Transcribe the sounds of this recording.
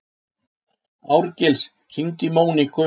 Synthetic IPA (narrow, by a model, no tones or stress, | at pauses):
awɾcɪls | r̥iŋt̪ɪmoːwnɪkʰʏ